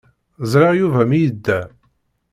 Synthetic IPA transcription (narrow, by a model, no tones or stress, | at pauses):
zɾˤɑʁjuvæmijəd̪ːæ